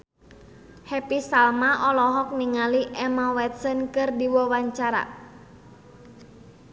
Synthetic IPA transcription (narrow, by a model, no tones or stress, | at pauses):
hɛpisalmaʔɔlɔɦɔk̚niŋaliʔɛmawɛt̪̚sənkɨrdiwɔwaɲt͡ʃaɾa̰